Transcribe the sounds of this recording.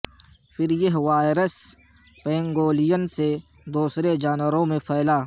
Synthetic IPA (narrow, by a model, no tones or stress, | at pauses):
fʰɪɾjɐɦʋaːɪɾəs | pẽːŋɡoːlijənse | d̪uːsɾed͡ʒaːnwəɾõmẽpʰɛːlaː